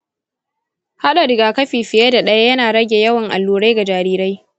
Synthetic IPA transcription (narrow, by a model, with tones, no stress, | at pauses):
ha˦ɗa˨ɾɪ˨ɡaː˨kɐ˦ɸiː˨ɸɪ˨je˦da˨ɗɐ˦ja˦jɐ˦naː˨ɽɐ˦ɡʲe˨jɐ˦wɐ˨ŋʔa̰˨lːuː˨ɽa˦jɡa˨d͡ʒaː˨ɾiː˦ɾa˦j